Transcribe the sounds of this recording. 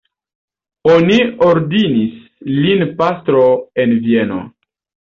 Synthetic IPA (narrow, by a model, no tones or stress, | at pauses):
onioɾdinis | linpastɾo̞e̞nvie̞no̰